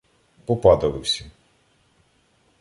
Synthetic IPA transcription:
pɔpɑd̪ɐlˠɪwsʲɐ

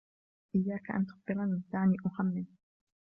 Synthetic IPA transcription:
ʔɪjːaːkaʔa̰nt̪ʊ̥qbɪlanɪnsaːniːʔʊhamːɪl

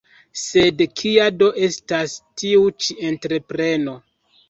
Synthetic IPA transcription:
se̞dkʰiado̞ʔe̞stastiut͡ʃie̞ntɾe̞pɾe̞no̞

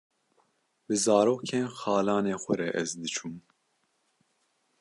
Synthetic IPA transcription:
bɨzɑːɾoːkʰeːnxɑːlɑːneːxʷɛɾɛʔɛzd̪ɨt͡ʃʰum

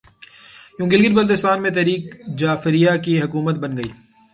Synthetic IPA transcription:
jũːɡɪlɡɪɾbɐlt̪ɪst̪aːnmẽt̪ɛːɾiːkd͡ʒaːfɪɾijakiɦɐkuːmət̪̚bɐnɡɐiː

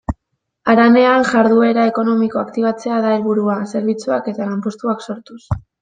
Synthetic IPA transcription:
aɾane̞aŋʝaɾðue̞ɾae̞ko̞no̞miko̞akt̪iβ̞at͡se̞aðaelβuɾuase̞ɾβit͡suake̞t̪alampo̞st̪uakso̞ɾt̪us

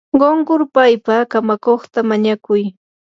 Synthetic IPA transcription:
ɢoɴɢʊɾpajpakamakoχt̪amaɲakʊj

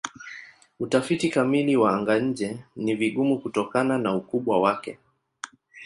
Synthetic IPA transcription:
utafitikamiliwaaŋɡaɲ̩d͡ʒɛniviɠumukutɔkananaukuɓwawakɛ

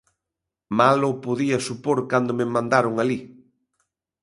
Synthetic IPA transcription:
malʊpoðiɐsupoɾkand̪ʊmɪmãnd̪aɾʊŋali

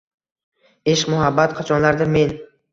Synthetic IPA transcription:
eʃmʊɦabːat̪qʰɑt͡ʃʰɒnlaɾd̪ɪmen

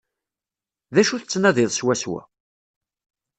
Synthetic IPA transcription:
ðæʃuθət͡sːnæðɪðˤswæswæ̰

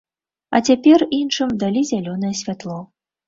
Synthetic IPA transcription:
ɐ̰t͡sʲapʲɛrinʂɨmd̪alʲizʲalʲɔnɐjɛsʲvʲat̪lˠɔ

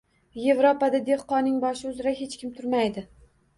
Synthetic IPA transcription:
je̞vɾopad̪ad̪e̞hqɒnɪŋbɒʃɪʊzɾahe̞t͡ʃkʲɪmt̪ʰʊɾmajd̪ɪ

